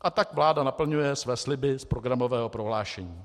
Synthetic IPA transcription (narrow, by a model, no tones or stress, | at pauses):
ʔat̪akvlaːdanapl̩ɲujɛsvɛːslɪbɪspɾoɡɾamovɛːɦopɾo̞ɦlaːʃɛɲiː